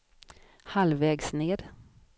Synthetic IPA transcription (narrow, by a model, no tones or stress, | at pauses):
halvɛːɡsneːd̪